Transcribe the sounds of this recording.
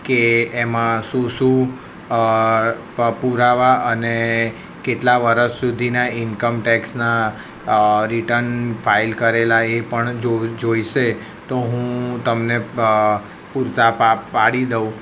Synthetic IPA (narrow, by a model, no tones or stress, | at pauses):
keːmãsũsũ | puɾaʋaʔəne | keʈlaʋəɾəʃsud̪ʱinaɪnkəmʈɛksna | ɾiʈəɾnfʰailkəɾelaepəɳd͡ʒod͡ʒoiʃe | t̪oɦũt̪əmne | puɾt̪apapaɽid̪əũ